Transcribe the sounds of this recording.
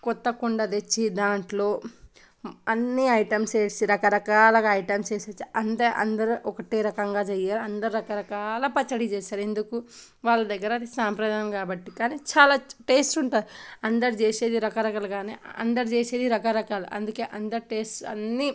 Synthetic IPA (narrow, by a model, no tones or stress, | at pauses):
kɔt̪ːɐkuɳɖɐd̪et͡ʃːid̪aːɳʈlo̞ː | ɐnːiɐjʈɐmst͡ʃeːsiɾɐkɐɾɐkaːlɐɡaɐjʈɐmst͡ʃeːseːt͡ʃːiɐnd̪ɐʔɐ̰nd̪ɐɾuʔɔkɐʈeːɾɐkɐŋɡaːd͡ʒɐjaːɾɐnd̪ɐɾuɾɐkɐɾɐkaːlɐpɐt͡ʃːɐɽit͡ʃeːʃaːɾe̞nd̪uku | ʋaːɭːɐd̪ɐɡːɐɾɐd̪isaːmpɾɐd̪aːnɐmkaːbɐʈːikaːnit͡ʃaːlaːʈeːsʈuɳʈad̪iɐnd̪ɐɾid͡ʒeːse̞ːd̪iɾɐkɐɾɐkaːlɐɡaːnḛːɐ̰nd̪ɐɾid͡ʒeːseːd̪iɾɐkaɾɐkaːlɐʔɐ̰nd̪uke̞ːʔɐnd̪ɐɾiʈeːsʈɐ̰nːi